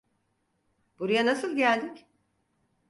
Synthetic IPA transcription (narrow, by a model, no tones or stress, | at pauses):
b̥uɾujanasɯlˠɟælʲd̪icʲ